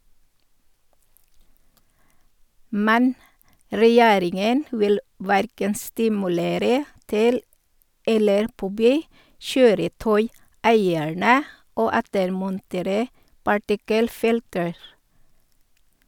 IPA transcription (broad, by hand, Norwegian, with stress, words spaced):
ˈmɛn ɾɛˈjeːɾɪŋən ˈʋɪl ˈʋæɾkən stɪmʉˈleːɾə ˈtɪl ˈɛləɾ ˈpɔbyː ˈʃøːɾəˌtœʏˌæɪæɳə ˈoː ˈɛtəɾmɔnˌteːɾə pɑˈʈɪkəlˌfɪltəɹ